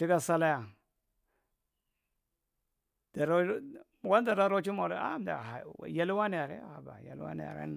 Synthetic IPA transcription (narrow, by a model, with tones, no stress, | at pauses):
ti˦ɡa˦˨sa˦la˦ja˨ | d̥a˨ɾo˦˨ | wa˦n˦da˨ɾa˦ɾo˦t͡ʃi˦mo˨ɾ̰a̰˦m˨da̰˨a̰˨ja˦lwa˦ni˨a˨ɾḛ˦˨ha˨ba̰˨ja̰˨l̰wa̰˦nḭ˨a̰˨ɾḛ˦n˨